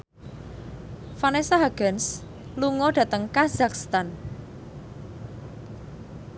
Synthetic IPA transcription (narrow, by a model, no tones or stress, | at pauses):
fanesaɦaɡ̥ɛns | luŋɔd̥ä̤t̪əŋkaz̥akst̪an